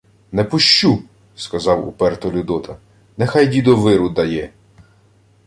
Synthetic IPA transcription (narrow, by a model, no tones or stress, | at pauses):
nɛpʊʃt͡ʃu | skɐzɑwṵpɛrt̪ɔlʲʊd̪ɔt̪ʰɐ | nɛxɑjdʲid̪ɔʋɪɾʊd̪ɐjɛ